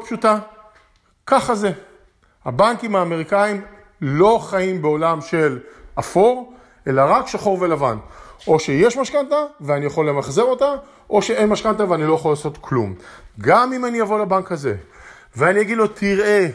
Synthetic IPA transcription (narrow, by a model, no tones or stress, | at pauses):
pʃuta | kaχaze̞ | abaŋkimaːme̞ʁikaim | lo̞χaimbe̞o̞lamʃe̞lʔafo̞ʁ | ʔe̞laʁakʃaχo̞ʁve̞lava̰nʔo̞ʃe̞jeʃmaʃkantaveanijaχolːe̞maχze̞ʁo̞t̪a | ʔo̞ʃe̞e̞nmaʃkant̪̬aveanilo̞jaχolaːso̞t̪klṵmɡamimanijavo̞labaŋkhaze̞̰ | veanijaɡidlo̞tʰiʁʔe̞